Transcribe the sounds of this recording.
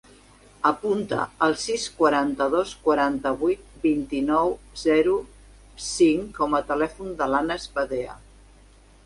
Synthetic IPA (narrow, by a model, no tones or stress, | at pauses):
əpunt̪ə̰ːlˠsiskwəɾant̪əðoskwəɾant̪əβujt̪̚bint̪inɔwzɛɾu | siŋkɔmət̪əlɛfund̪əlanəzpəðeə̰